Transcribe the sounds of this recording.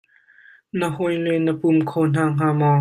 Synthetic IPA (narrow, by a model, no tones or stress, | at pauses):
nəhɔjlɛnəpumkʰɔːn̥aːŋ̥aːmɔ